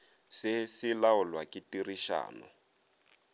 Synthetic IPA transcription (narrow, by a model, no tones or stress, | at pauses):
sɪsilaʊlwakitiriʃa̰ːnɔ̰